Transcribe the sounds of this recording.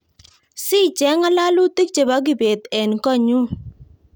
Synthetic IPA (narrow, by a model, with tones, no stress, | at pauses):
si˦t͡ʃɛ˦ŋa˦la˦lu˦t̪i˦k̚t͡ʃe˨ba˦ɡ̬i˨be˨t̪ɛ˨nkɔ˦ɲu˦